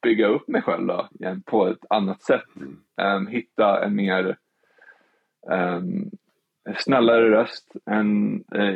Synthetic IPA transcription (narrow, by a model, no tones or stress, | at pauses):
b̥ʏɡːaɵpːmɛjɧɛ̰lvd̪ɔ̰jɛnpʰɔɛt̪ʰanːat̪sɛt̪ː | ɦɪt̪ːaɛ̰nmeːɾ | snɛlːaɾəɾœst̪ɛn